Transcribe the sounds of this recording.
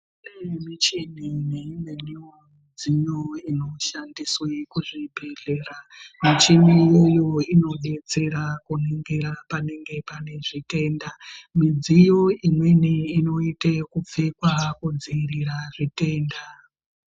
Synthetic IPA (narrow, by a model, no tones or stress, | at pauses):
nemit͡ʃinineimeniwomid͡zijo̞ino̞ʃandiswekuʐibʱe̞ɮe̞ːramit͡ʃinijejo̞ino̞ɗe̞t͡se̞ɾakuneŋɡe̞ɾapane̞ŋɡe̞pane̞ʐite̞ːndamid͡zijo̞imwe̞niino̞itekup͡fekwakud͡ziriɾaʐite̞ːnda